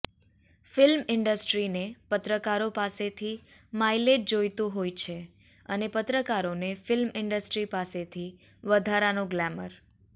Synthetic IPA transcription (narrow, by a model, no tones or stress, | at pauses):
fɪlmɪɳɖəsʈɾinepət̪ɾəkaɾopaset̪ʰi | majleʈ̚d͡ʒojt̪ũɦojt͡ʃʰe | ənepət̪ɾəkaɾonefɪlmɪɳɖəsʈɾipaset̪ʰi | ʋəd̪ʱaɾanõɡlɛmə̰ɾ